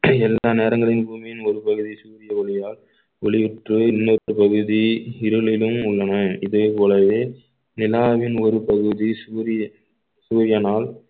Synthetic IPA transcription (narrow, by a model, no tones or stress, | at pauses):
ɛlːaːneːɾɐŋɡɐɭɪnbuːmɪjɪnɔɾɯpɐɣɯðisuːɾɪjɐɔɭɪjaːl | ɔɭɪʋɪʈrɯɪnːɐɯpɐɣɯðiɪɾɯlɪlɯmʊɭːɐnɐɪðeːpoːlɐʋeː | nɪlaːʋɪnɔɾɯpɐɣɯðisuːɾɪ | suːɾɪjɐnaːl